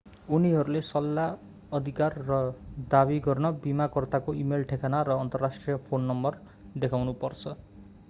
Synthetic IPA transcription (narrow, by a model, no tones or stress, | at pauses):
uniɦʌɾulesʌlːa | ʌd̪ʱikarːʌd̪abiɡʌrnʌbimakʌrt̪akoimelʈʰekʰanaɾʌːnt̪ʌrːasʈrijʌpʰonːʌmbʌr | d̪ekʰawnupʌrt͡sʰʌ